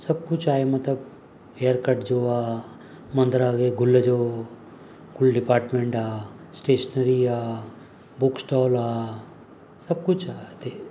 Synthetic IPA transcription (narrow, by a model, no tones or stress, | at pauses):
sɐb̚kʊt͡ʃʰaːemɐt̪ləb | ejəɾkəɾʈd͡ʒoːaː | mɐ̃nd̪ɾaɡeɡʱʊlːəd͡ʒo | ɡʱʊlɖɪpaːɾʈmẽɳʈaː | sʈeːʃənəɾiɦaː | buksʈɔːla | sɐb̚kʊt͡ʃʰat̪e